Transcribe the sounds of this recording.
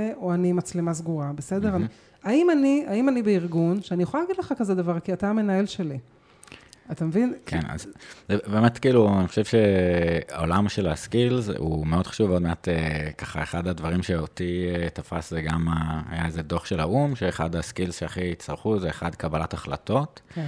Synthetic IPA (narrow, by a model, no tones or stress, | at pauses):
eoanimat͡slimaz̬ɡuʁabesedeʁani | aimaniaimanibeiʁɡunʃeanijuχoalaɡidleχakazed̪avaʁkiataːme̞nae̞lʃe̞li | atamevinkʰena̰zzebemetkiːluaniχoʃevʃea̰o̞lamʃe̞la̰skilzṵmeo̞d̪χḁʃuvmeod̪meatekaχa̰e̞χad̪advaʁimʃeotietafa̰szeɡama̰jaezedo̞χʃelaumʃeːχad̪askilzʃeaχiit͡saʁχuzeeχad̪kabalataχla̰to̞t